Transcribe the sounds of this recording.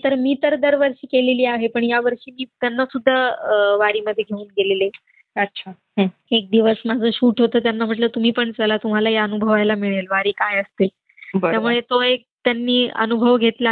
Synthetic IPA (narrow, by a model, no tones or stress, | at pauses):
t̪əɾmiːt̪əɾd̪əɾʋəɾʂiːkeleliːaɦepəɳjaʋəɾʂiːmiːt̪janːasud̪ʱːaʋaɽiːməd̪ʱːjeɡʱeuːnɡelele | ətːɕʰa | ek̚d̪iʋəsmad͡zʱəːɕuːʈɦot̪əːt̪janːam̤əʈ̬ləːt̪um̤iːpəɳt͡səlat̪um̤alajaənubʱəʋajlamiɭelʋaɽiːkajəst̪e | btəjamuɭet̪oek̚t̪janːiːə̰nubʱəʋɡʱet̪la